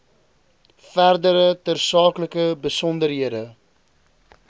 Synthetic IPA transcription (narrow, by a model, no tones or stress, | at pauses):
færdəɾətərsɑːkləkəbəsɔndərɦiədə